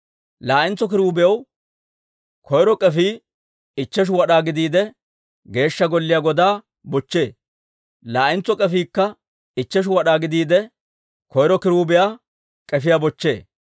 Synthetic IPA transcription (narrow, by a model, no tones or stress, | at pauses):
laːʔɪnt͡sːɔk̬ɪɾuːbɪjɐw | kʰɔjɾɔkʼɛfiː | ɪt͡ʃːɛʃ̬ʊwɐɗaːɡɪd̪iːd̪ɛ | ɡe̞ːʃːɐɡɔlːɪjaɡɔd̪aː | bɔt͡ʃːe̞ː | laːʔɪnt͡sːɔkʼɛfiːkːɐ | ɪt͡ʃːɛʃ̬ʊwɐɗaːɡɪd̪iːd̪ɛ | kɔjɾɔkɪɾuːbɪjaː | kʼɛfɪjaːbɔt͡ʃːe̞̰ː